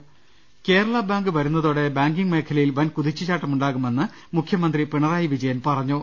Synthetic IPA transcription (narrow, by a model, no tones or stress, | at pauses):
ke̞ːɾɐɭabaːŋɡɨʋɐɾunːɐðoːɽe̞baːŋɡiŋɡme̞ːkʰɐlɐjilʋɐnkuðit͡ɕːut͡ɕaːʈːɐmuɳɖaːɣume̞nːɨ | mukʰjɐmɐnd̪ripiɳɐraːjiʋid͡ʑɐjɐnpɐrɐɲːu